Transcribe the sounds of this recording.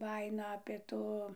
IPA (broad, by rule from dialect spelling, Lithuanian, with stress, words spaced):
ˈbɑːjɪnoː ɐpʲeː ˈtuː